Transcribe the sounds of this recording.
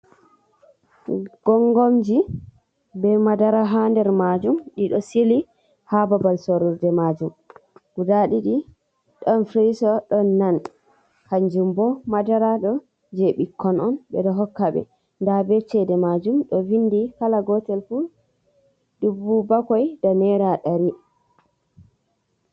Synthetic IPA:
ɡ̥ɔŋɡomd͡ʒi | bɛmadaɾaɦandɛɾmad͡ʒumɗiɗɔsili | hababalsoɾuɾdɛmad͡ʒumɡ̥udaɗiɗi | ɗɔnfɾisɔɗɔnːan | haɲd͡ʒumbɔmadaɾaɗɔ | d͡ʒeɓikːɔnɔnbɛ̰ɗɔɦɔkːaɓɛ̰ | ndabɛt͡ʃɛdɛmad͡ʒumɗɔvindikalaɡɔtɛlfu | ɗubːubakɔjdɔnɛɾaɗaɾi

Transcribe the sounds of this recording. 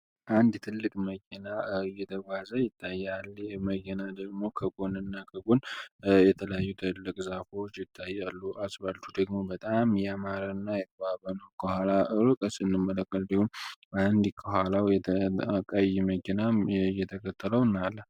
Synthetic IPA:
ʔand̪t̪ʰɨlːɨkʼməkʰenajɛt̪ʰəɡʷazəjɪt̪ʰːajːalməkɛnad̪əɡmo̞kʰəɡonɨnːakʰəɡonjɛt̪ʰələjajːut̪ʰɨlːɨkʼzafot͡ʃːjɪt̪ʰːajːalːuʔasbalt̪ʰud̪əɡmo̞bət̪ʼamjɛamaɾənːajɛt̪ʰəβaβənəwkʰəhalaʔɨɾɨkʼəsʼɨnːɨmːələkʼːəlbihumband̪ikʰəɦalawjɛəkʼajːɛməkːɛnajɛt̪ʰəkʰət̪ːələwɨnːalːə

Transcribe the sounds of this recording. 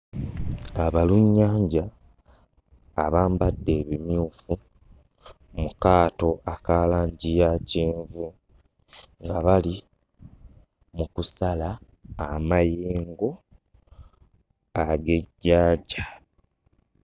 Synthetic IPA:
aβaluɲːaːɲɟa | βaːmbadːe̞ːβimjuːfu | mukaːto̞ʔakaːlaːɲɟijaciːɱvu | ŋɡaβali | mukusalaː | majeːŋɡo̞ | aɡe̞ɟːaːɟa

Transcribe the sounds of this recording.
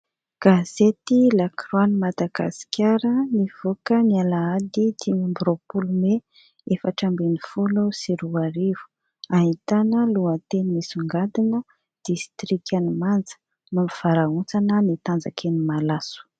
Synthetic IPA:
ɡ̥az̥et̪ilakranimad̪aɡa̰si̥kʰʲaɾəniv̥okənialaad̪it̪imimbuɾopulume | efəʈ͡ʂambinifulusiɾuaɾivu̥ | aɦit̪anəluat̪enimisuŋɡad̪inə | d̪̥ist̪ɾikanimand͡zə̥ | mamiv̥aɾaunt͡sanənit̪and͡zakʰenimalasu̥

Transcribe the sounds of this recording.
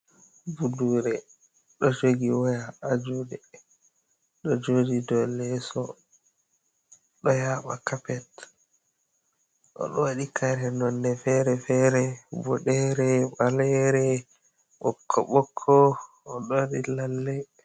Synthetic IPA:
buduːɾɛ | ɗɔd͡ʒoɡiwajaːd͡ʒudɛ | ɗɔd͡ʒodidɔlːɛsɔ | ɗɔjaɓa̰kapɛt | ʔɔ̰ɗɔwaɗikʰaɾɛnɔnːɛfɛɾɛfɛɾɛbɔɗɛɾɛɓalɛɾɛ | ʔɔkʰːɔɓɔkʰːɔː | ɗɔwaɗilalːɛ

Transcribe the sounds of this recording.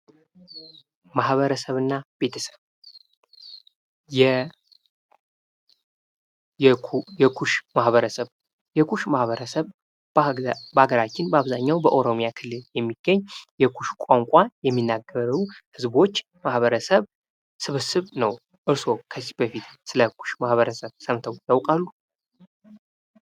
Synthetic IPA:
mahβəɾəsəβɨnːabe̞t̪ʰəsə̥β | jɛ | jɛkʰuʃmahβəɾəsəβ | jɛkʰuʃmahβəɾəsəβ | bəaɡəɾat͡ʃːɪnbaβzaɲːawbəʔoɾo̞mjakʰɨlːɨljɛmːiɡ̥əɲːjɛkʰuʃkʷʼaŋkʷʼajɛmːinːaɡəɾuhɨzbo̞t͡ʃː | mahβəɾəsəβ | sɨβɨsɨβnəw | ʔɨɾso̞kʰəzi̥bəfit̪sɨləkʰu̥ʃmahβəɾəsəβsəmt̪ʰəwjawkʼalːu

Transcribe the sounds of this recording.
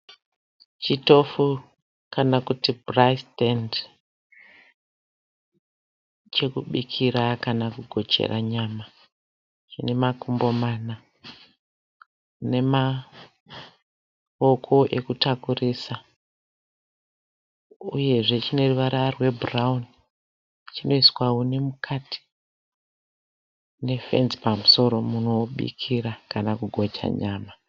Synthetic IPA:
t͡ʃito̞fu | kanakutibrastend | t͡ʃe̞kuɓikʰiɾakanakuɡʱo̞t͡ʃḛra̰ɲaːma | t͡ʃine̞makumbo̞mana | ne̞ma | okʰo̞ʔe̞kutakurisa | uje̞ʐe̞t͡ʃine̞ruʋaɾarwe̞burauni | t͡ʃino̞iswawonemukʰatʰi̥ | ne̞fe̞̰nzi̥pamuso̞ɾo̞munoɓḭkʰiɾakanakuɡʱo̞t͡ʃa̰ɲaːma

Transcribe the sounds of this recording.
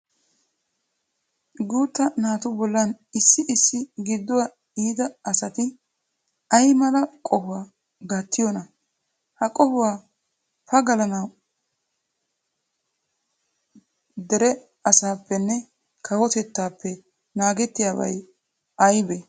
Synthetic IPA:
ɡuːt̪ːɐnaːt̪ʊbɔlːɐnɪsːɪʔɪsːɪɡɪd̪ːʊwa | iːd̪ɐɐsɐt̪ɪ | ɐjmɐlɐkʼɔhʊwaː | ɡɐt̪ʰːɪjɔnɐ | hɐkʼɔhʊwaː | pɐɡɐlɐnɐw | d̪ɛɾɛ | ɐsaːpːɛnːɛ | kʰɐwɔt̪ɛt̪ːaːpːɛ | naːɡɛt̪ːɪjaːbɐ̰j | ɐjbɛ

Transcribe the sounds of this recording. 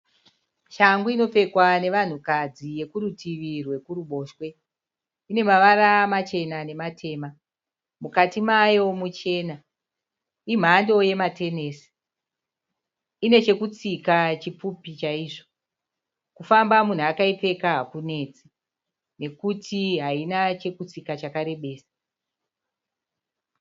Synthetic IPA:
ʃaŋɡuino̞p͡fe̞kwane̞ʋan̤ukad͡zije̞kuɾutʰiʋirwe̞kuɾuɓo̞ːʃwe̞ | ine̞maʋaɾamat͡ʃe̞nane̞matʰe̞ːma | mukatimajo̞mut͡ʃe̞na | im̤ando̞je̞mate̞neːsi̥ | ine̞t͡ʃe̞kut͡sikat͡ʃipupit͡ʃaiːʐo | kufambamun̤uakaipe̞kaɦakune̞t͡si | ne̞kutʰiɦainat͡ʃe̞kut͡sikat͡ʃakaɾe̞ɓe̞ːsḁ

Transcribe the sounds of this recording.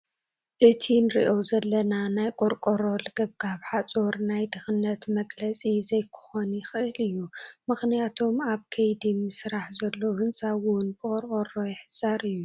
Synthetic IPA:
ʔɨt̪ʰinɨɾḭʔo̞zɐlːɐnanajkʼoɾkʼoɾolɨɡ̥ɨb̚ɡaβħat͡sʼoɾnajd̪ɨxɨnːɐt̪mɐɡlɐt͡sʼizɐjkʰɨ̥xonjɪxɨʔɨlɨjːumɨxnijat̪ʰo̞maβkʰɐjd̪imɨsɨɾaħzɐlːowhɨnsʼawunbɨkʼoɾkʼoɾo̞jɪħɨsʼaɾɨjːu

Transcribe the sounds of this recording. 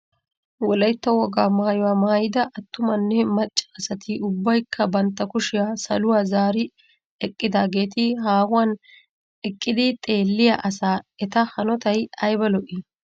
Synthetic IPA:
wɔlɐjt̪ːɐwɔɡaːmɐhɐjʊwaːmɐhɐjɪd̪ɐʔɐt̪ːʊmɐnːɛmɐt͡ʃʼːɐ̥ːsɐt̪ɪʊbːɐjkʰːɐbɐnt̪ːɐkʊʃɪjasɐ̰lʊwaːzaːɾɪ | ɛkʼːɪd̪aːɡe̞ːt̪ɪɦaːwʊwan | ɛkʼːɪd̪ɪt̪ʼe̞ːlːɪja̰ʔɐsaːɛt̪ɐhɐnɔt̪ɐjɐjbɐlɔʔɪ

